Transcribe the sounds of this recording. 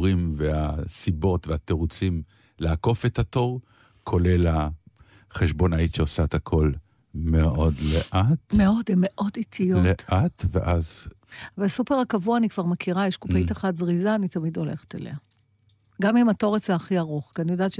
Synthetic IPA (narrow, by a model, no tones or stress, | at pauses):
ʁimveasibo̞tveat̪eʁut͡sim | leako̞fe̞tat̪o̞ʁ | kʰo̞le̞la | χeʃbo̞naitʃeosaet̪akʰo̞l | meo̞dleʔat̪meo̞demeʔo̞dit̪ʰijoletʔat̪vḛʔazvelsupeʁhakavuaːnikv̥aʁmekʰiʁajeʃkupaitaχatzʁizaːnit̪amido̞lḛχe̥t̪ḛlḛha | ɡamimato̞ʁet͡seaχiaʁoχkianijodaːtʃ